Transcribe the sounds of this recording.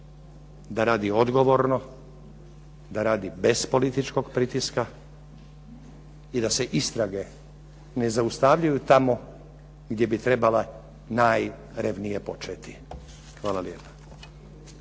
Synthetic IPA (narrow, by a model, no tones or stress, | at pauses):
d̪aɾaːd̪io̞d̪ɡo̞ʋoɾno | d̪aɾaːd̪ibe̞spo̞lit̪it͡ʃko̞ɡpɾit̪iska | id̪ase̞ʔist̪ɾaɡe̞ | ne̞zaust̪aʋʎujut̪amo̞ | ɡd̪je̞bit̪ɾe̞bala | naj | ɾeʋnije̞po̞t͡ʃet̪i̥ | xʋaːlaljeːpḁ